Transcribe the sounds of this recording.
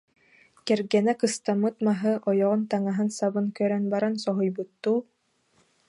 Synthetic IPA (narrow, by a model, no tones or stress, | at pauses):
kɛɾɡɛnɛkɯst̪amːɯt̪maɦɯʔɔjɔʁɔnt̪aŋaɦɯnsabɯnkœɾœnbaɾansɔɦujbɯt̪ːuː